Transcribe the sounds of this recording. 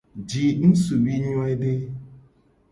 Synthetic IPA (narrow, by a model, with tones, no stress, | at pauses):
d͡ʒi˨n̩˦su˨bi˦ɲ˦a˦jde˦